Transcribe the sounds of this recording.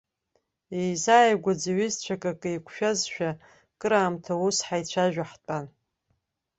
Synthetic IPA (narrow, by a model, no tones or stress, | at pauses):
ejzajɡʷad͡zaɥɪzt͡ɕʷʰakʼakʼɨjkʷʰʃᶣazʃᶣa | kʼɨɾaːmtʰausħajt͡ɕʷʰaʒᶣaħt͡pʼan